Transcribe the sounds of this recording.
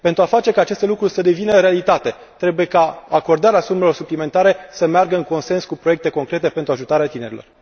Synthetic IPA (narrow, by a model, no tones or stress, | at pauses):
pe̞nt̪ɾuafat͡ʃe̞kaːt͡ʃest̪e̞lukɾurʲsəd̪e̞vinəɾe̞alit̪at̪e̞ | t̪ɾe̞buje̞kaako̞rd̪aɾeasume̞lo̞rsuplime̞nt̪aɾe̞səmearɡəɨŋko̞nse̞nskupɾoe̞k̚t̪e̞ko̞ŋkɾe̞t̪e̞pent̪ɾuaʒut̪aɾeat̪ine̞ɾilo̞r